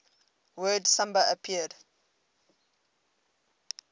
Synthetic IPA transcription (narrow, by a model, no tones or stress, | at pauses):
wɜːdsʌ̃mbəəpʰiəd